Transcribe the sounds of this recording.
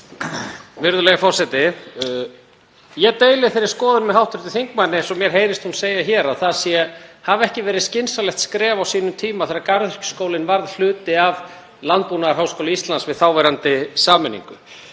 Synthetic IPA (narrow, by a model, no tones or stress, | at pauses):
vɪɾðʏlɛɣafɔr̥sɛt̪ɪ | jɛɣt̪eːjlɪθejɾɪɾ̥skɔːðʏnmɛðhawht̪ʏɾ̥t̪ʏ̥θiŋk̚manːɪnsɔmjɛɾ̥ɦeːjɾɪst̪hunseːjaçɛːɾaðθaðsjɛhavɛhcɪvɛːɾɪðscɪnsalɛxt̪skɾɛːvawsiːnʏmt̪ʰiːmaθeɾaɾkaɾðr̥cʏ̥skoːwlɪnvaɾðl̥ʏːt̪ɪav | lant̪̚punaɾ̥ɦaːwskowlɪist̪lansvɪðθawvɛɾant̪ɪsaːmɛnḭŋkʏ